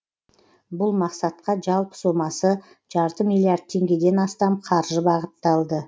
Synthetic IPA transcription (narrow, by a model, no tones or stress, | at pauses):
bʊlˠmɑqsɑt̪̚qɑʒɑlˠpə̥so̞mɑsə | ʒ̥ɑɾt̪əmilˠijaɾd̪̚t̪ʰe̞ŋɡʲe̞d̪e̞nɑst̪ɑmqʰɑɾʒəbɑʁət̪ːɑlˠd̪ə